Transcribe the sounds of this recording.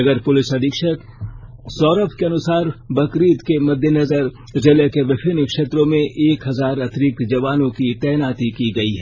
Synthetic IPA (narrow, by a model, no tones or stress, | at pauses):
ɐɡəɾpʊlɪsɐd̪ʱɪkʃək | sɔːɾəpʰkeɐnʊsaːɾbɐkɾiːt̪kemɐd̪ʱjənɐzəɾ | zɪlekeʋɪpʰɪnkʃeːt̪ɾõmẽʔeːkɦɐzaːɾɐt̪ɾiːk̪̚d͡ʒɐʋaːnõkit̪ɛːnaːt̪ikiɡɐiɦɛː